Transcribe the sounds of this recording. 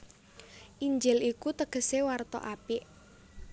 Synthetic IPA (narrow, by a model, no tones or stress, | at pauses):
ʔiɲd͡ʒɪlikut̪əɡ̥ə̤sewart̪ɔ̰ʔapɪʔ